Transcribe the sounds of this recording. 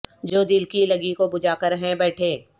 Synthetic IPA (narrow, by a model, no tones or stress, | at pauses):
d͡ʒoːd̪ɪlkilɐɡikobʊd͡ʒaːkəɾɦɛ̃bɛːʈʰẽː